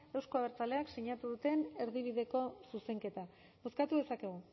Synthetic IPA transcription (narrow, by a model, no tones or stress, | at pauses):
ewsko̞aβe̞ɾt͡sale̞akseɲat̪uðut̪e̞ne̞ɾðiβ̞iðe̞ko̞suse̞ŋke̞t̪a | βo̞skat̪uðe̞sake̞ɣ̞u